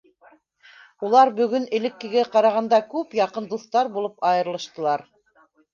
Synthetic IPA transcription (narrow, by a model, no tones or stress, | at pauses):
ulˠɑɾbɵ̆ɡɵnɘ̆lɘ̆kːɘ̆ɡæqɑɾɑʁɑnd̪ɑkʉpjɑqɤnd̪uθt̪ɑɾbulˠɤpɑjɤ̆ɾlˠɤ̆ʃt̪ɤ̆lˠɑɾ